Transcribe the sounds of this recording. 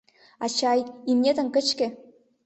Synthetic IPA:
ɑt͡ɕɑjimnʲed̪ɘ̆nʲkɘ̆t͡ɕkʲɘ̆

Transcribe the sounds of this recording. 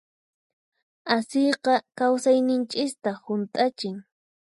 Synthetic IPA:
asijqɑkawsajnɪnt͡ʃɪst̪ahʊnt̪ʼat͡ʃɪŋ

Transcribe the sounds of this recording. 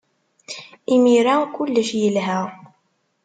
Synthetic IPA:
imiɾækʊlːəʃjəlɦæ

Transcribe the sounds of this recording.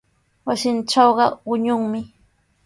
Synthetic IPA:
wasɪnʈ͡ʂɑwɢɑwʊɲʊŋmɪ

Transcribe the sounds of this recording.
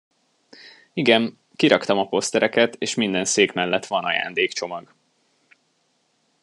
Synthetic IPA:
iɡɛn | kiɾɒkt̪ɒmɒpo̞st̪ɛɾɛkɛt̪eːʃmind̪ɛnseːkmɛlːɛt̪ʋɒnɒja̰ːnd̪eːkt͡ʃo̞mɒɡ

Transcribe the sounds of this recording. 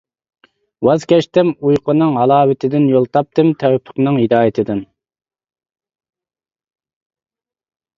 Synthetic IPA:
wɑzkʲɛʃt̪ɪmujqʰənɨŋɦɑlˠɑːwɪt̪ʰɪd̪ɪnjolˠt̪ʰɑp̚t̪ɨmt̪ʰɛwɛpʰːə̥qnɨŋhid̪ɑːjɪt̪ʰɪd̪ɪn

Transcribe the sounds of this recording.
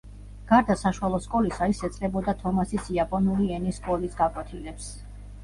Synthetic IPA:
ɡ̥aɾd̪asaʃuwalˠɔskʼɔlisaisɛt̪sʼqʼɛbɔd̪at̪ʰɔmasisiapʼɔnuliɛniskʼɔlisɡakʼwɛt̪ʰilɛps

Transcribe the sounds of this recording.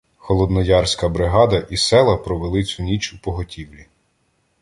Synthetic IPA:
xɔlˠɔd̪nɔjɑrsʲkɐbɾɪɦɑd̪ɐʔisɛlˠɐpɾɔʋelˠɪt͡sʲʊnʲit͡ʃupɔɦɔtʲiwlʲi

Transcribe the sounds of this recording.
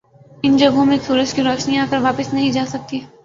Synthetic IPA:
ɪnd͡ʒɐɡõmẽsuːɾət͡ʃkiɾɔːʃniaːkəɾʋaːpɪsnɐɦĩd͡ʒaːsɐk̚t̪iɦɛː

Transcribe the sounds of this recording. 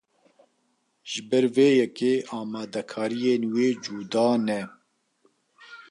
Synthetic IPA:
ʒ̥ɨbɛɾveːjɛkeːʔɑːmɑːd̪ɛkʰɑːɾijeːnweːd͡ʒuːd̪ɑːnɛ

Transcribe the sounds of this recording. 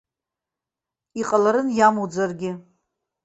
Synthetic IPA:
iqʼalaɾɨnjamud͡zarɡʲɪ

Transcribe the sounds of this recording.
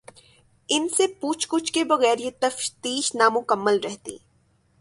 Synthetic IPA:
ɪnsepuːt͡ʃʰkʊt͡ʃʰkebɐɣɛːɾjet̪ɐfʃt̪iːʃnamʊkəmːəlɾɛɦt̪ḭː

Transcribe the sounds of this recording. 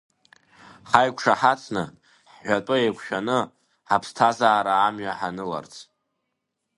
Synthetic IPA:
χajkʷʰʂaħat͡sʰʼnɨ̰ | ħɥʷatʼʊejkʷʰʃᶣanɨ | ħapʰstʰazaːɾaːmɥaħanɨla̰rt͡sʰ

